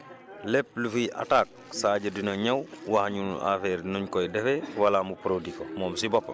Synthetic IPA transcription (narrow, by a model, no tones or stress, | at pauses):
lep̚lufujʔa̰taːk̚saːɟɐdinɐɲawwahɲunṵʔa̰feːɾnuɲkojdɛfewalamupɾodikomɔːmsibɔpːɐ